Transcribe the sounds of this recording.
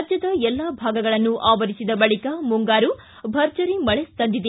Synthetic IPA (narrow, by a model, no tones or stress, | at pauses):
d͡ʒɐd̪ɐɛlːaːbʱaːɡɐɡɐɭɐnːuʔaːʋɐɾisid̪ɐbɐɭikɐmuŋɡaːɾu | bʱɐɾd͡ʒɐɾimɐɭest̪ɐnd̪id̪e